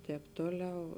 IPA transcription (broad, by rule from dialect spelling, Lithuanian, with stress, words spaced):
ˈtʲɛːp ˈtoːˌlʲɛʊ